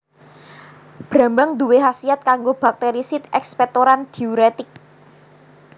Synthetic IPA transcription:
b̥ɾä̤mbaŋd̪uweɦasiat̪̚kaŋɡob̥ak̚t̪eɾisɪt̪ɛkspɛt̪oɾand̪̥iuɾet̪ɪk̚

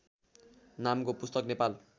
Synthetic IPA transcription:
namkopust̪ʌknepal

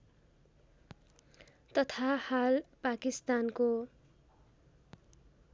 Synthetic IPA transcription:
t̪ʌt̪ʰahalpakist̪anko

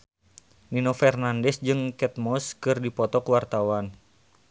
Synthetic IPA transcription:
ninɔfɛrnandɛsd͡ʒɨŋkɛt̪̚mɔskɨrdipɔt̪ɔkuwart̪awan

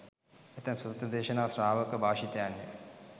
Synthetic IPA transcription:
et̪əmsut̪ɾəd̪eːʃənaːsɾaːʋəkəbaːʃit̪əjanːḛ

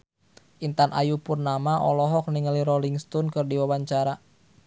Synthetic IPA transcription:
ʔint̪anʔa̰jupʊrnamaʔɔlɔɦɔk̚niŋəliɾoliŋst̪ɔnkɨrdiwawaɲt͡ʃaɾa

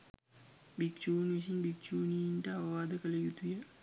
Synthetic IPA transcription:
bik̚t͡ʃuːnʋis̬inbik̚t͡ʃuːnijinʈəaʋɐʋaːd̪əkəlɐjut̪uja

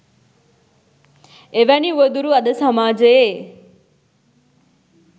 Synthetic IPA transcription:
eʋaniuʋəd̪uɾuːɐɗ̪əsɐmaːd͡ʒəe

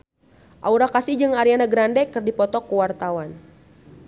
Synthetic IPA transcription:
ʔauɾakasid͡ʒɨŋaɾianaɡɾandɛkɨrdipɔt̪ɔkːuwart̪awan

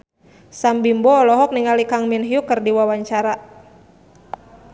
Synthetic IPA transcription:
sambimbɔːlɔɦɔk̚niŋalikaŋminɦiukɨrdiwawaɲt͡ʃaɾa

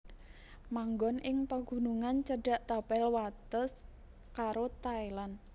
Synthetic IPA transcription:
maŋɡɔnʔɪŋpaɡ̥ṳnuŋant͡ʃəɖ̥a̤ʔt̪apɛlwat̪əs | kaɾot̪aelan

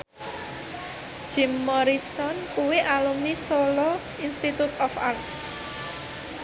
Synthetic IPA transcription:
ʒ̥i̤mːɔɾisɔnkuweʔalumnisɔlɔ | inst̪it̪ut̪ɔfa̰rt̪̚

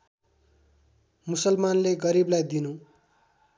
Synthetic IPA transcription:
musʌlmanleɡʌɾiblajd̪inũ

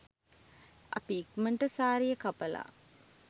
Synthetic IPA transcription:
ʔɐ̰piːkməɳʈəsaːɾijəkapəla̰ː

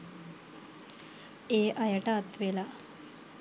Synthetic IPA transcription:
eːʔajəʈaːt̪ʋela

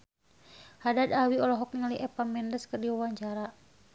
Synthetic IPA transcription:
hadad̪awiɔlɔɦɔk̚niŋaliʔɛpamɛndəskɨrdiwawaɲt͡ʃaɾa

